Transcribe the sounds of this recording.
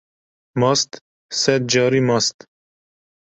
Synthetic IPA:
mɑst̪ | sɛd̪̚d͡ʒɑːɾimɑst̪

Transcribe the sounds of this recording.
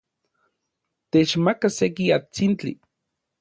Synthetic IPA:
t̪et͡ʃmakasekiat͡sint͡ɬḭ

